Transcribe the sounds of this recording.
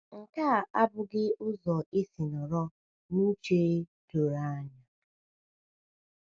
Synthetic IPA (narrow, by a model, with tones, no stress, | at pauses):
ŋ̩˨kaː˦˨ʔa˦bʊ˦ɡɪ˦ʔʊ˦zɔ˨i˦si˨nɔ˨ɾɔ˦ | nu˦t͡ʃe˦ɾe˦to˨ɾa˦a˦ɲa˨